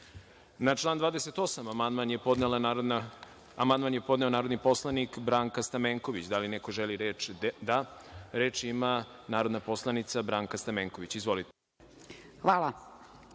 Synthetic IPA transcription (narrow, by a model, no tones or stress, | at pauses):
nat͡ʃlˠaːnd̪vaːd̪eset̪o̞samamand̪manjepo̞d̪nela | amand̪maːnjepo̞d̪ne̞o̞naːɾo̞d̪nipo̞slˠanikbɾaːŋkast̪ameːŋko̞ʋit͡ɕd̪alinekoʒeliɾeːt͡ʃd̪aɾe̞ːt͡ʃimanaːɾo̞d̪napo̞slˠanit̪sabɾaːŋkast̪ameːŋko̞ʋit͡ɕizʋo̞lit̪e̥ | xʋaːlˠa